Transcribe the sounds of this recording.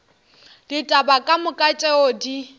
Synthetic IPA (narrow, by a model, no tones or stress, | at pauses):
d̥itʼabakʼamʊkʼat͡ʃʼɛodi